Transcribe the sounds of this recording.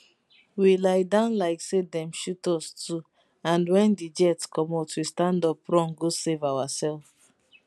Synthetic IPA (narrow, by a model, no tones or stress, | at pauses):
wilaɪdãʊ̃nlaɪksedɛ̃mʃutɔstu | ãnwɛ̃ndid͡ʒɛtskɔmatwistãndɔpɹɔ̃nɡosevawasɛlf